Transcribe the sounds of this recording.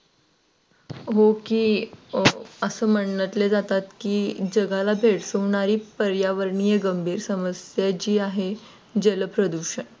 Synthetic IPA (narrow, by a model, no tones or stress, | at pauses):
ɦokiː | əsəːm̤əɳnət̪led͡zat̪at̪kiːd͡ʑəɡʱalabʱeʈsoʋɳaɾiːpəɾjaʋəɾɳijeɡəmbʱiːɾsəməsjat͡ɕiːaɦe | d͡ʑeləpɾəd̪uɕəɳ